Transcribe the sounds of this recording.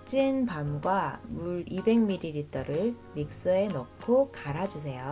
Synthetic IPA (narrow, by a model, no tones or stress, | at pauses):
t͡ɕ͈inpamɡwamuɾibe̞ŋmiɾiɾitʰʌɾɯɭ | mik̚s͈uenʌkʰokaɾad͡ʑus̬ʰe̞jo